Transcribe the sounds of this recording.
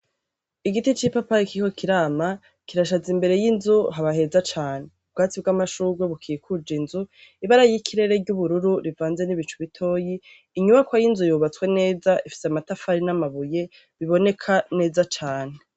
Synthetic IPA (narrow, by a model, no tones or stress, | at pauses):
iɡitit͡ʃipapaikiko̞kʰiɾaːma | kiɾaʃazimbe̞ɾe̞jinzuɦaβaɦe̞zat͡ʃaːne̞ub̚ɡaːt͡sibɡamaʃuːɡweβukʰikʰud͡ʒinzuiβaɾajijikʰiɾe̞ɾe̞ɾɟuβuɾuɾuɾivaːnze̞niβit͡ʃuβitʰo̞ːjiː | ɲuβakwajinzujuβat͡swe̞ne̞ːzaʔifi̥seamatafaɾinamaβuje̞ | βiβo̞ne̞kʰane̞ːzat͡ʃaːne